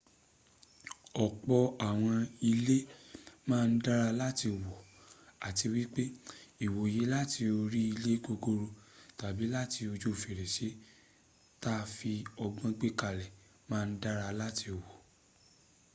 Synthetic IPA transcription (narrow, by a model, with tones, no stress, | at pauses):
ɔ˨k͡pɔ˧a˨w̃ɔ̃˧i˧le˦mãː˦˧n̩˦da˦ɾa˧la˦ti˧˨wɔ˨a˨ti˧wi˦k͡pe˦i˨wo˨je˨˦la˦ti˧o˧ɾi˦i˧le˦ɡo˧ɡo˧ɾo˧ta˨bi˨˦la˦ti˧o˧d͡ʒo˦˨fe˨ɾɛ˨ʃe˨˦ | ta˦˧fi˧ɔ˧ɡ͡bɔ̃˦ɡ͡be˦ka˧˨lɛ˨ | mãː˦˧n̩˦da˦ɾa˧la˦ti˧˨wɔ˨